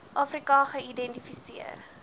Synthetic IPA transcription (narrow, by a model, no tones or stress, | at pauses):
ʔɑːfrikɑχəidɛntifisiə̰r